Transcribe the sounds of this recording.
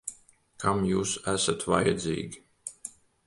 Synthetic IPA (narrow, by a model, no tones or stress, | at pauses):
kʰamjuːsæsat̪va̰jɛd̪zḭːɡʲi